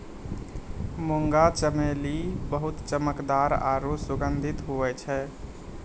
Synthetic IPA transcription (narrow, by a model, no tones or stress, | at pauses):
moŋɡat͡ʃəmelibəɦʊt̪t͡ʃəməkd̪aɾa̰ːɾosʊɡənd̪ʱɪt̪ɦuɛt͡ʃʰɛ